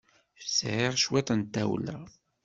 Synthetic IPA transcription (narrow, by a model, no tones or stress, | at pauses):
fsʕeʁʃwæt̪ənt̪ːæwlæ̰